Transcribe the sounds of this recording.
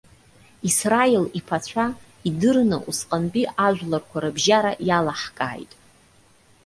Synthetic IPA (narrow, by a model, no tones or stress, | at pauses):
israilipʰat͡ɕʷʰa | idɨrnɨ̰ʔusqʼanbʼiʔaʒᶣʷlarkʷʰaɾɨbʒaɾajalaħkʼa̰ːjtʼ